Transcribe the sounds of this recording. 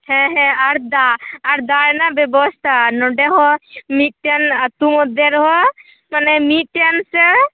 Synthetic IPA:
hɛ̃ɦɛ̃aɾd̪aːɾd̪aɾnabebɔst̪ʰanɔɖɛɦɔmiʈjanat̪umɔd̪eɾɔɦɔ | manɛmiʈjansɛ

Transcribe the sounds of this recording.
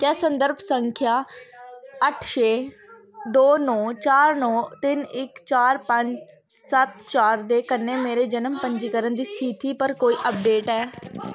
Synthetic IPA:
kɛːsənd̪əɾbsəŋkʰjaː | əʈʰʃeː | d̪oːnɔ̃ːt͡ʃaːɾnɔ̃ːt̪ɪnɪkt͡ʃaːɾpəɲt͡ʃ | sət̪t͡ʃaːɾd̪eːkənːeːmeːɾeːd͡ʒənəmpəɲd͡ʒiːkəɾənd̪iːst̪ʰit̪iːpəɾkoːiːʔəp̚ɖeːʈɛː

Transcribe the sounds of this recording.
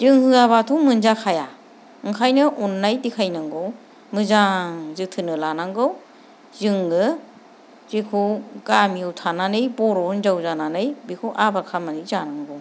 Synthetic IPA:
zɯŋhɯɡaβatʰumɯnzakʰaja | ɯŋkʰajnɯʔunːajdikʰajnaŋɡɯw | mɯzaŋzɯtʰɯnɯlanaŋɡɯw | zɯŋɯ | zikʰukamiwtʰananɯjbɔɾɔnzawzananɯjbikʰuwʔabaɾkʰamanizanaŋɡɯw

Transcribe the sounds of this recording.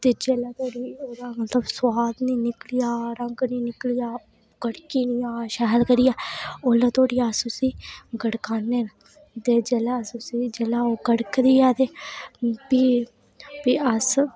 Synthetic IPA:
t̪eːd͡ʒeːlaːt̪oːɽiːoːd̪aːmət̪ləbswaːd̪niːnɪklijaːɾəŋɡniːnɪklijaː | ɡ̥əɽkiːniːaːʃaːlkəɾijaːoːlaːt̪oːɽiːasʊsiːɡəɽkaːneːn | t̪eːd͡ʒeːlasʊsiːd͡ʒeːlaːoːɡəɽkd̪iːjaːt̪eː | biː | biːəs

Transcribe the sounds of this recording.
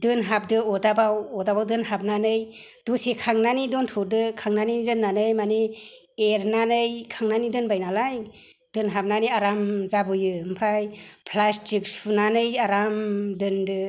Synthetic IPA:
dɯnɦap̚dɯɔdabawɔdabawdɯnhap̚nanɯjd̥usekʰaŋnanidɔntʰɔdɯkʰaŋnaniidɯnːanɯjmani | eɾnanɯjkʰaŋnanidɯnbajnalaj | d̥ɯnɦap̚naniaɾamzabɯjɯmpʰɾajpʰlastik̚sunanɯjaɾamdɯndɯ

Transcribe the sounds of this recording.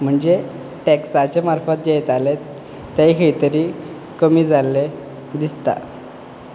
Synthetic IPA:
m̤əɳd͡ze | ʈeksat͡ɕemaɾfat̪̚d͡ʑejet̪alet̪ː | aikʰəjt̪əɾiː | kəmiːd͡zalːe | d̪ist̪a̰

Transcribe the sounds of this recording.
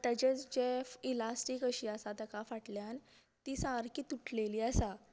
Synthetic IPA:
t̪jad͡ʑet͡sd͡ʑefilasʈikəɕiːəsat̪əkafaʈljan | t̪iːsaɾkiːt̪uʈʰleliːəsa

